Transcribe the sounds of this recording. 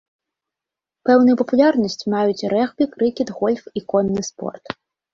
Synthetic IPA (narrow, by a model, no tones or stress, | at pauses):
pɛwnujupɐpulʲarnɐsʲt͡sʲmajut͡sʲɾɛxbʲikɾɨkʲid̪ɣɔlʲfikɔnːɨspɔ̰rt̪